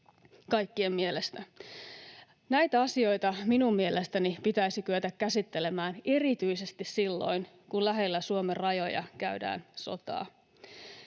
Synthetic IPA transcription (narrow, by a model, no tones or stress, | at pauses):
kɑjkːie̞mːielest̪æ | næjt̪æɑsio̞jt̪ɑminummielest̪ænipit̪æisikyøt̪ækkæsit̪ːe̞le̞mæːne̞rit̪yise̞st̪issilːo̞̰jn | kunlæɦe̞lːæsuomerɑjo̞jɑ̰kæydæ̰ːnso̞̰t̪ɑ̰ː